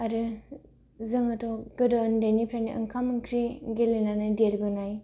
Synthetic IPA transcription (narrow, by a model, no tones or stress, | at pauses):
aɾɯ | zɯŋɯtɔɡɯdɔndajnipʰɾaniʔɐ̰ŋkʰamɯŋkʰɾiɡelenanadeɾbɯnaj